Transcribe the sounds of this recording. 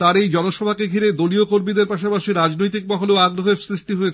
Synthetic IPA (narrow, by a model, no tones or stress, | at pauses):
t̪aɾejd͡ʑɔnoʃɔbʱakeɡʱiɾed̪oliokoɾmid̪eɾpaʃapaʃiɾad͡ʑnojt̪̬ik̚mɔɦoleoaɡɾoɦeɾsɾiʃʈiɦoet͡ɕʰe